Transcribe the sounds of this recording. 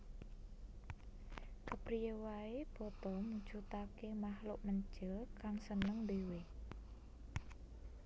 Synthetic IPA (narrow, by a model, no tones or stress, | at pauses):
kəpɾijewaeb̥ɔ̤t̪ɔmud̥ʒ̥ṳt̪akemahlʊʔməɲt͡ʃɪlkaŋsənəŋd̪ewe